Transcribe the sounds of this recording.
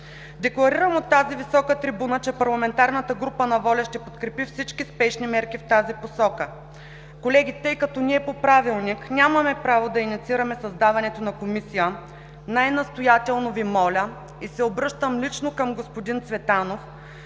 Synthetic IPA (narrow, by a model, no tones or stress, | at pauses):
d̪ɛklˠɐɾiɾəmot̪ːazivisɔkət̪ɾibunət͡ʃɛpɐɾlˠɐmɛnt̪aɾnət̪əɡɾupənɐvɔlʲɐʃt̪ɛpot̪kɾɛpifsit͡ʃkispɛʃnimɛɾkift̪aziposɔkə | kolɛɡ̟ʲit̪əjkɐt̪ɔniɛpopɾavilˠniknʲamɐmɛpɾavod̪ɐinit̪siɾɐmɛsɐzd̪avɐnɛt̪onɐkomisijə | najnɐst̪ojat̪ɛlˠnovimɔlʲə | isɛobɾɤʃt̪əmlit͡ʃnokɐmɡospod̪int̪svɛt̪anof